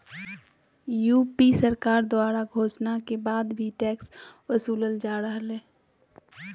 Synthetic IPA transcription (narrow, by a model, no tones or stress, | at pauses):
juːpisəɾkaːɾd̪oaːɾaɡʱoːʃnakebaːd̪bʱiʈɛːksʋəsuːləld͡ʒaːɾəɦleː